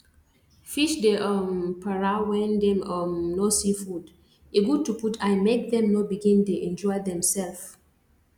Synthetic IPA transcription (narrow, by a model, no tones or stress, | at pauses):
fiʃdeʔʌmpʰaɹawɛ̃ndɛ̃mɔmnɔsifud | eɡud̚tuputʰajmek̚dɛ̃mnobiɡĩndeʔɛ̃nd͡ʒɔjdɛ̃msɛlf